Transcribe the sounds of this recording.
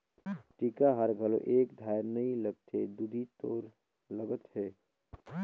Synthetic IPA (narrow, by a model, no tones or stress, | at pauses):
ʈikaɦəɾɡʱəlo̰ʔekd̪ʱajnəiləɡ̚t̪ʰed̪ud̪ʱit̪oːɾ | ləɡət̪ɦeː